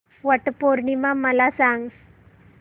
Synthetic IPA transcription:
ʋəʈpoɾɳimaməlasãŋɡ

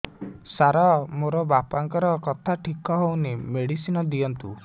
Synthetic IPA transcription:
saɾamoɾɔbapaŋkɔɾɔkɔt̪ʰaʈʰikɔɦownemeɽisinɔd̪iɔnt̪ṵ

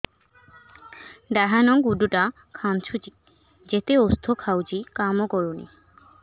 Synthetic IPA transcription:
ɖɛɦanɔŋɡuɖuʈa | kʰamt͡ɕʰut͡ɕi̥ | d͡ʑet̪eost̪ʰokʰawd͡ʑikamokɔɾunḭ

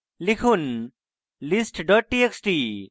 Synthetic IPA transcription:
likʰun | lisʈɖɔːʈ̚ːieksʈiː

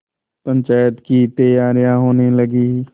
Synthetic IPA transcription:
pə̃ɲt͡ʃaːjət̪kit̪əjaːɾijãɦoːnelɐɡi

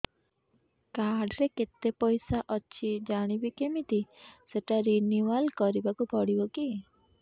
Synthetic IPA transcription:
kaɖɾeket̪epɔjsaʔɔt͡ʃʰid͡ʒaɽ̃ibikemit̪iseʈaɾiniwalkɔɾibakupɔɽibɔki

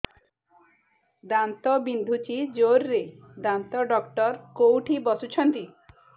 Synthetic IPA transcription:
d̪ant̪ɔbind̪ʱut͡ʃid͡ʒoɾːed̪ant̪ɔɖɔkʈɔɾkowʈʰibɔsut͡ʃʰɔnt̪i

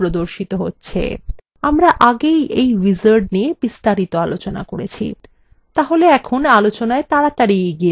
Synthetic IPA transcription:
ɾod̪oɾʃit̪oɦo̰tːɕʰḛ | amɾaʔaɡejʔejwid͡ʑaɾɖ̚niebist̪aɾit̪oalot͡ɕona̰koɾet͡ɕʰḭ | t̪aɦoleɛkʰonalot͡ɕonaet̪aɾat̪aɾieɡi

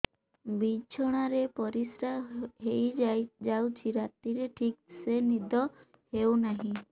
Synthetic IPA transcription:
bit͡ʃʰɔɽ̃aɾepɔɾisɾaɦejd͡ʒajd͡ʒawt͡ʃʰiɾat̪iɾeʈʰik̚senid̪ʱɔ | hewnaɦĩ

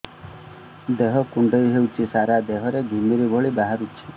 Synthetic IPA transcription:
d̪eɦɔkuɳɖɔjɦewt͡ʃʰisaɾad̪eɦɔɾeɡʱimiɾibʱɔɭibaɦaɾut͡ʃʰi̥

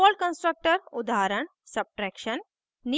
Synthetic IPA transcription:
ɔːl̚kə̃nsʈɾək̚ʈəɾʊd̪aːɾəɳ̃ | sɐb̚ʈɾɛːkʃən | ni

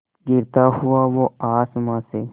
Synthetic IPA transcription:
ɡɪɾt̪aɦuaʋoaːsmãse

